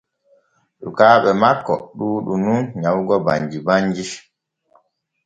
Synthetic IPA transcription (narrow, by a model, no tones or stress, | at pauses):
ɗukaːɓɛmakːɔ̰ɗuːɗununɲawɡɔba̰ɲd͡ʒibaɲd͡ʒi